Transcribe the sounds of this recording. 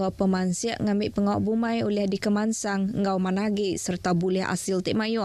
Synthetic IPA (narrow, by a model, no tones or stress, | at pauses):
awpəmansiaʔŋamɪʔpəŋawʔbumajolɛhdikəmansaŋŋɡawmanaɡiʔsərt̪abulɛɦa̰silt̪iʔmajɔ